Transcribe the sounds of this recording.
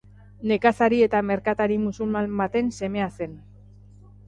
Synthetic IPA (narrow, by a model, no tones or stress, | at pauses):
ne̞kasaɾie̞t̪ame̞ɾkat̪aɾimusulmanbat̪e̞nse̞me̞ase̞n